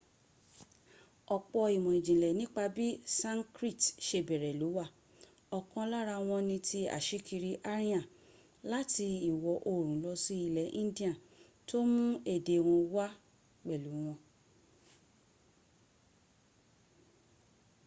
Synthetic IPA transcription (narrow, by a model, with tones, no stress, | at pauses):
ɔ˧k͡pɔ˧i˨mɔ̃˨ĩ˨d͡ʒĩ˨lɛ˨nĩ˦k͡pa˧bi˦sã˦ŋkɾi˦˨tʃe˧bɛ˨ɾɛ˨lu˨˦wa˦˨ | ɔ˧˨kɔ̃˧la˦ɾa˧w̃ɔ̃˧nĩ˧tʰi˧a̰˨ʃi˦kʰi˧ɾi˧ʔa˦ɾĩ˦ã˦˨ | la˦ti˧i˨wɔ˨ʔo˨ɾ̃ũ˨˦lɔ˧si˧˦i˧˨lɛ˨˦ʔĩ˦di˦ã˨ | to˦mũ˦e˦˨de˨˦w̃ɔ̃˧wa˦ | k͡pɛ˨lu˨˦w̃ɔ̃˧